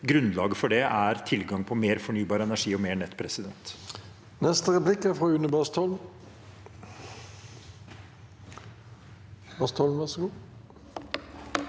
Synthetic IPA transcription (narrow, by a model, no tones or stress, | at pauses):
ɡɾʉnlɑːɡəfɔɖɛæɾt̪ʰɪlɡɑŋpʰɔmeːɾfɔɳyːbɑːɾəɛnæʂiːɔmeːɳɛt̪ːpʰɾɛsɪd̪ɛnt̪ | nɛst̪əʁɛplɪkæfʁoːʉnəbɑst̪ʰɔl | bɑst̪ʰɔln̩ʋæʁsəɡuː